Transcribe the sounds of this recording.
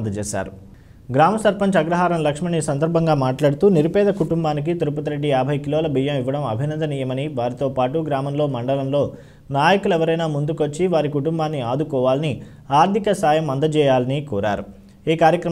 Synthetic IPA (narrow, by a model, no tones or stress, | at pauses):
d̪ɐt͡ʃɛːsa̰ːɾu | ɡɾaːmɐsɐɾpɐɲt͡ʃɐɡɾɐɦaːɾɐmlɐkʂmɐɳisɐnd̪ɐɾbʱɐŋɡaːmaːʈlaːɽut̪uːniɾupɛːd̪ɐkuʈumbaːnik̬it̪uɾupɐt̪ɐɾe̞ɖːijaːbʱɐjkiloːlɐbʱijɐmiʋːɐɽɐmɐ̰bʱinɐnd̪ɐniːjɐmɐniʋaːɾit̪oːpaːʈuɡɾaːmɐmlo̞ːmɐɳɖɐlɐmlo̞ː | naːjɐkulɛʋɐɾɐjnaːmund̪ukʋɐt͡ʃːiʋaːɾikuʈumbaːnːiaːd̪ukɔːʋaːlɐni | aːɾd̪ʱikɐsaːjɐmɐnd̪ɐt͡ʃɛːjaːlɐnikɔːɾa̰ːɾu | iːkaːɾjɐkɾɐ